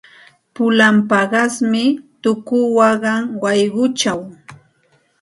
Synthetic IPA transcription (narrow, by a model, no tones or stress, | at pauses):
pʊlampɑɢɑsmɪt̪ʊkʊwɑɢɑŋwɑjɢʊt͡ʃaw